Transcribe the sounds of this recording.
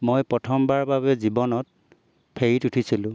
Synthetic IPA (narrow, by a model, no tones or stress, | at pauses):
mojpɹɔtʰɔmbaɹbaβɛzibɔnɔt̚ | pʰeitutʰisilʊ̃